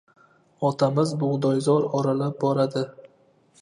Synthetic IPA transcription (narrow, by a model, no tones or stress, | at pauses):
ɒt̪ʰamɪzbʊʁd̪ɒjzɒɾɒɾalap̚bɒɾad̪ɪ